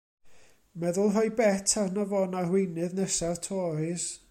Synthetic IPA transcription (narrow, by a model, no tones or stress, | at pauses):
mɛðʊlˠɦɔjbɛtʰarnɔvɔːnarwɪjnɨðnɛsartʰɔːjs